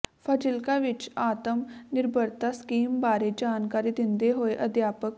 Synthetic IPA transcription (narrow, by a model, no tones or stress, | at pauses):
pʰəd͡ʒɪlkaːʋɪt͡ʃaːt̪əmnɪɾbʱəɾt̪aːskiːmbaːɾeːd͡ʒaːnkaːɾiːd̪ɪnd̪eːɦoːeʔəd̪jaːpək